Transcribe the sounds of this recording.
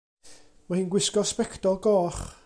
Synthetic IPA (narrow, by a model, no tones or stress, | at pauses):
mahiːnɡwɪskɔspɛkʰtɔlˠɡɔːχ